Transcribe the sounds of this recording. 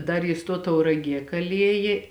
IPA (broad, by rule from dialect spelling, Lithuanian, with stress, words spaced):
ˈdɐr jɪs ˈtuɔ tɐʊrɐˈɡʲiɛ kɐˈlʲiɛjeː